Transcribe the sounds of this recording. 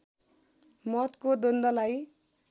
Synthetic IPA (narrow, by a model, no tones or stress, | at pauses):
mʌt̪kod̪ond̪ʌlaj